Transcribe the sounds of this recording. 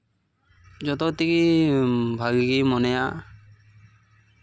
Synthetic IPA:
d͡ʒɔt̪ɔt̪iki | bʱaɡiɡimɔnɛja

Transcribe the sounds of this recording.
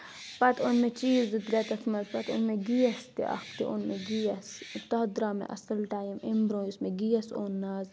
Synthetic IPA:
pɐt̪ʰonmet͡ʃiːzd̪id̪ɾɛt̪ɐkʰmɐlpɐt̪o̰nmeɡijɐst̪ḭʔɐ̰xt̪iʔonmeɡijɐst̪ɐd̪ɾaːmḛʔɐ̰sɐlʈaːjɐmembɾõːjusmeɡijɐso̰ːnːaːz

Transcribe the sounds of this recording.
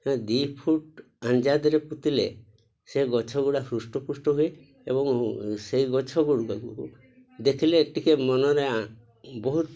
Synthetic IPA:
ãd̪ipʰuʈ | aɲd͡ʒad̪ɾeput̪ilḛ | seɡɔt͡ʃʰɔɡuɽasɾusʈɔpusʈɔɦue | ebɔŋsejɡɔt͡ʃʰɔɡuɽɡaɡṵku | d̪ekʰileːʈikemɔnɔɾe | bɔɦut̪

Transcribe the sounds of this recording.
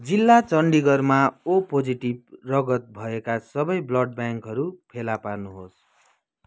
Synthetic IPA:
d͡zilːat͡sʌɳɖiɡʌrmaopod͡ziʈib̚rʌɡʌt̪̚bʱʌekasʌbʌjblʌɖbjaŋkɦʌɾupʰelaparnuɦos

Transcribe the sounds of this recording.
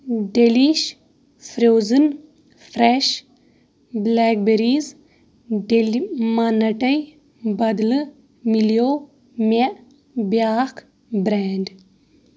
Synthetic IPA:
ɖeliʃ | fɾoːzɨn | fɾeʃ | blɛːk̚beɾiːz | ɖelmanɐʈɐj | bɐd̪lɨ | miljoː | meʔ | bjaːk | bɾaːɳɖ

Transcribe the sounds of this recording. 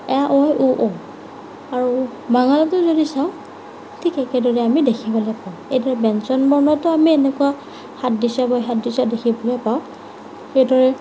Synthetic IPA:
ɛaʔɔjʔuʔɔ | aɹu | maŋalɔtʊzodisaʊ̃ | tʰikɛkɛdɔɹɛamidekʰibɔlɔjpaʊ̃ejdɔɹɛbɛnsɔnbɔɹnɔtɔamienɛkʊwa | xatdisabajxatdisadekʰibɔlɔjpaʊ̃ | xejdɔɹɛ

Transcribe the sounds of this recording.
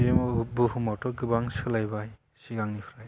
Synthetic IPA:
emɔbɯhumawtɔɡɯbaŋsɯlajbaj | siɡaŋnipʰɾaj

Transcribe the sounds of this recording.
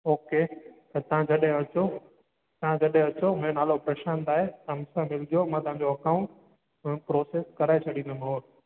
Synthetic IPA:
oːket̪ɐt̪ɐ̤ãd͡ʑɐɗɦẽʋɐt͡ɕo | t̪ɐʋ̤ãd͡ʑɐɗɦẽʋɐt͡ɕomẽonaːlopɾɐʃãːnd̪aːɦet̪ɐɐmsãmɪlɪd͡ʑjomãt̪ɐʋ̤ãɲd͡ʑoɐkaːʊ̃ɳʈ | pɾoːseːskɐɾaːet͡ɕʰɐɗĩnd̪omɐɦoːɾ

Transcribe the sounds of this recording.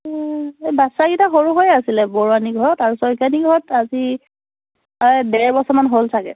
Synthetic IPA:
ebasaɡitaxoɹuɦojasilɛbɔɹuaniɡʱɔɹɔtaɹusɔjkaniɡʱɔɹɔtazi | dɛbɔsɔmanɦolsʰakɛ̰

